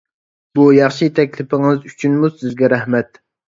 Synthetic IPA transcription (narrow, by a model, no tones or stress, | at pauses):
bujɑχʃit̪ʰɛkʲlɪpɪŋɨzy̥t͡ʃʰynmuzsɪzɡʲɛɾæhmɛt̪